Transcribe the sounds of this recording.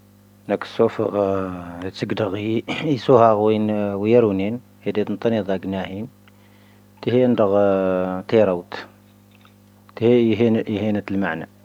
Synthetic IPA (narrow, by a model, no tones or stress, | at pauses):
nækə̥sufəɣ | t̪əɡd̪əɣisuhɑɣwinwjəɾunin | hid̪it̪nt̪ˤːɑnid̪ˤɑɡnæhin | t̪əhind̪əɣt̪iɾˤəwt̪ | t̪hiɦinʔihinət̪əlmaʕnæ